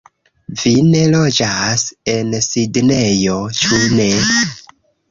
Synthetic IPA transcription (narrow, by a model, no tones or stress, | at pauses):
vine̞lo̞d͡ʒase̞nsidne̞jo̞t͡ʃune̞